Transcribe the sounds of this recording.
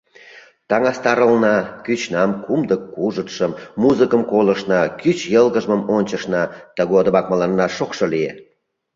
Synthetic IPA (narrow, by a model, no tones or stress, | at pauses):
t̪ɑŋɑst̪ɑɾəlnɑkyt͡ɕnɑmkumd̪əkːuʒət̪ʃəmːuzɨkəmkoləʃnɑkyt͡ɕjəlɣəʒməmonʲt͡ɕəʃnɑt̪əɣod̪ə̆mɑk̚məlɑnːɑʃokʃolijḛ